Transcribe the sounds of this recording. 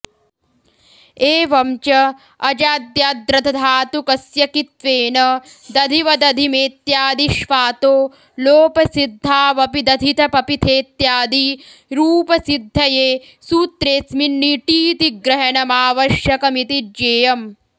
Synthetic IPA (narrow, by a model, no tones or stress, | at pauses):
eːʋɐmt͡ʃɐ | ɐd͡ʒaːd̪jaːd̪ɾɐt̪ʰɐd̪ʱaːt̪ukɐsjɐkit̪ʋeːnɐ | d̪ɐd̪ʱiʋɐd̪ɐd̪ʱimeːt̪jaːd̪iʃʋaːt̪oː | loːpɐsid̪ʱːaːʋɐpid̪ɐd̪ʱit̪ʰɐpɐpit̪ʰeːt̪jaːd̪iɾuːpɐsid̪ʱːɐjeː | suːt̪ɾeːsminːiʈiːt̪iɡɾɐɦɐnɐmaːʋɐʃjɐkɐmit̪id͡ʒeːjɐm